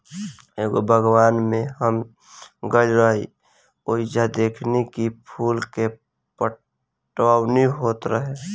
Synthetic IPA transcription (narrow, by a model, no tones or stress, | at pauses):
eːɡo̰bʱəɡwaːnmẽɦəm | ɡəiɾəɦi | oːid͡ʒad̪eːkʰnekipʰuːlke | pə | ʈwaːwniɦoːt̪ɾəɦe